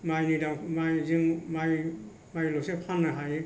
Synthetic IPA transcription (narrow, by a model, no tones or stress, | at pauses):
majnidaŋmajziŋmaj | majlɔsepʰanːaɦaje